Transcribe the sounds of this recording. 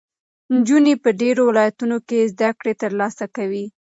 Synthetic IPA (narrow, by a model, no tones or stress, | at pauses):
nd͡ʒunepəɖeɾowɪlɑjat̪unokezd̪akɽet̪əɾlɑsakawi